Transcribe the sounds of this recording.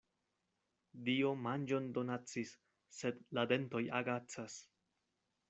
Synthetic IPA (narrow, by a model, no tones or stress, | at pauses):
dio̞mand͡ʒo̞ndo̞nat͡sisː | e̞dlade̞nto̞jaɡat͡sas